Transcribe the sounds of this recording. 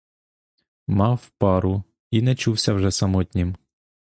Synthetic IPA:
mɑwpɑɾʊ | inɛt͡ʃuwsʲɐwʒɛsɐmɔt̪ʲnʲim

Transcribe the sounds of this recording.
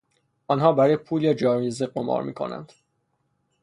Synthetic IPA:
ɒnɦɒːbæɾɒːjepʰuːljɒd͡ʒɒːɾjezeɢomɒ̰ːɾmḭːkʰo̰næ̰nd̪̥

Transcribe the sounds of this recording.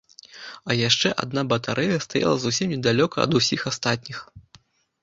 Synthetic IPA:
ɐjaʂt͡ʂɛʔa̰d̪nabɐt̪aɾʔɛjɐst̪aja̰lˠɐzusʲimnʲɛd̪alʲɔkɐɐ̰d̪usʲixast̪at̪̚ʲnʲix

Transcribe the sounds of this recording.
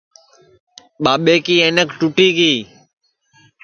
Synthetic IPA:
ɓaːɓeːkiːeːnəkʈuʈiːkiː

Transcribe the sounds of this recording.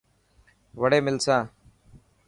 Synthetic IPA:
ʋəɽeːmɪlsãː

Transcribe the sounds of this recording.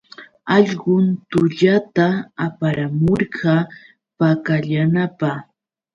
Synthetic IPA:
ɑʎɢʊnt̪ʊʎat̪aapaɾamoɾɢɑ | pakaʎanapɑχ

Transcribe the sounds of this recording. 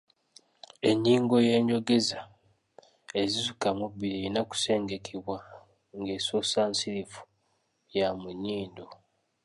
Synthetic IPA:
e̞ɲːiːŋɡo̞je̞ːɲɟo̞ɡeza | e̞zizukamubːiɾieɾinaku̥se̞ːŋɡe̞kʰeβwa | ŋɡe̞ːsoːsaːnsiɾivu̥ | jamuɲiːndo

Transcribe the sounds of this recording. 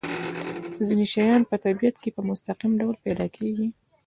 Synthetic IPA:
zineʃajɑnpət̪abijat̪kepəmʊst̪aqimɖawlpɛd̪ɑkʰeɡi

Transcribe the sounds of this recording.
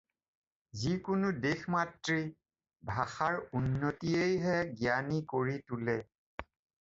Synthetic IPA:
zikʊnʊdexmatɹi | bʱaxaɹunːotiejɦɛɡijanikoɹitulɛ

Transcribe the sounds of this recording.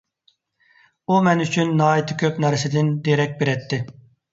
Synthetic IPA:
umɛnyt͡ʃʰynːɑːit̪ʰɪkʲʰøpnɛɾɪsɪd̪ɪnd̪eɾɛk̚ʲbeɾɛt̪ʰːɪ

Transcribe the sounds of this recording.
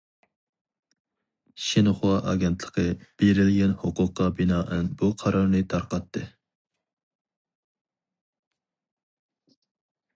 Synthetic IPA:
ʃenɨχwɑʔɑ̰ɡʲɛnt̪ʰlˠə̥qʰəb̥eɾɪlɡʲɛnhʊqʊqːɑbɪnɑːʔɨnbuqʰɑɾɑɾnɨt̪ʰɑɾqɑt̪ʰːɨ

